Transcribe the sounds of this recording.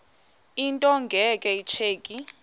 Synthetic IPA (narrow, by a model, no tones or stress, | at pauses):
intʼɔŋɡʱɛkʼɛit͡ʃʰeːkʼi